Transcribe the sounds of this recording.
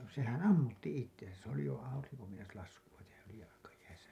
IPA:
sehæn ɑmːutːi itːensæ s oli jo ɑuriŋko meinɑs lɑskuɑ tehæ s oli jɑlɑkɑjæisæ

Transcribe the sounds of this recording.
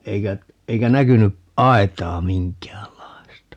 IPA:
eikæ eikæ nækyny ʔɑetˑɑː miŋkˑæːlːɑi̯stɑ

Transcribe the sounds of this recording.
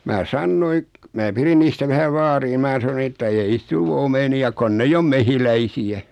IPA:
mæː sɑnːoi mæː pirin niːstæ ʋæhæʋ ʋɑːriː ni mæː sɑn̆ŏ etːæ ei niːs tul omeniɑ konː eijː om mehilæisiæ

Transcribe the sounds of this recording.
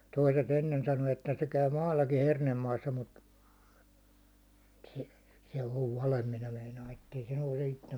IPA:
toiset enːen sɑno etːæ se kæy mɑːlːɑki hernemːɑːsːɑ mut se se oʋ ʋɑlem minæ meinɑː etːei se nouse itːem

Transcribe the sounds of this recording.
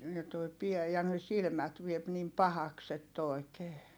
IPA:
jɑ toi piæ jɑ ne silmæt ʋiep nim pɑhɑks etː oi̯keː

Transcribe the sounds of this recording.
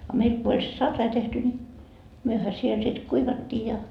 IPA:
ɑ meil ko olʲ se sɑrːɑi tehty nʲi myøhæ siel sit kuiʋɑtːiː jɑ

